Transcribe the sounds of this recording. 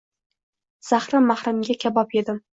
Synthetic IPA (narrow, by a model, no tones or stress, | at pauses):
z̥aχɾɪmːahɾamɡʲakʲʰabɒpe̞d̪ɪ